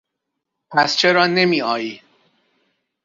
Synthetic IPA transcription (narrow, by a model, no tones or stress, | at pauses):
pʰæst͡ʃʰe̞ɾɒːne̞miːɒːjiː